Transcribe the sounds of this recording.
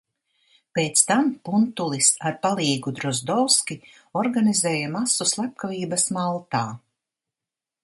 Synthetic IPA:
peːt̪st̪ampunt̪ulˠisaɾpalˠiːɡud̪ɾɔzd̪ɔwskʲi | ɔɾɡanizɛːjamasuslˠap̚kaviːbɐsmalˠt̪aː

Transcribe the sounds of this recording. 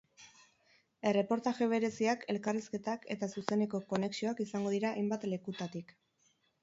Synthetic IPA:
e̞re̞po̞ɾt̪aʝe̞β̞e̞ɾe̞siakʰe̞lkariske̞t̪ake̞t̪asuse̞ne̞ko̞ko̞ne̞ksio̞akisaŋɡo̞ðiɾaʔːjmbat̪le̞kut̪at̪ik

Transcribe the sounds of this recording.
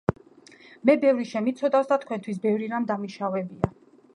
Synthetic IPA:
mɛbɛvɾiʃɛmit̪sʰɔd̪afsd̪at̪ʰkʰwɛnt̪ʰwis̬bɛvɾiɾamd̪amiʃavɛbia

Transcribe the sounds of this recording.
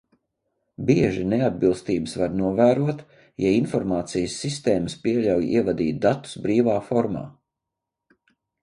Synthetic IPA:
biɛʒinead̪̚bilˠst̪iːbəsvaɾnuɔvæːɾuɔt̪ | jainfɔɾmaːt̪sijəsːist̪eːməspiɛʎʲawjḭɛvad̪iːt̪̚d̪at̪u̥sbɾiːvaːfɔɾma̰ː

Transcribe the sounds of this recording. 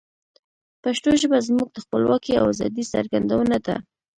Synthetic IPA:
paʃʈoʒəbazmuɡ̚d̪əxpəlwɑkia̰wazɑ̰d̪isa̰ɾɡand̪awənad̪a̰

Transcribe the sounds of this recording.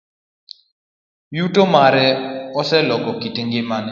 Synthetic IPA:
jutomaɾɛɔsɛlɔɡɔkitiŋɡɪmanɪ

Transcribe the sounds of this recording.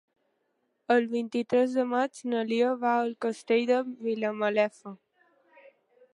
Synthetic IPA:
əlˠβint̪it̪ɾɛzðəmad͡ʒnəlioβaəlkəst̪eʎd̪əβiləməlɛfə

